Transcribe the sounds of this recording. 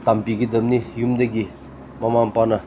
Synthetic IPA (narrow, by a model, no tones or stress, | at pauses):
t̪ampikid̪əmnijumd̪aɡi | mamaŋpana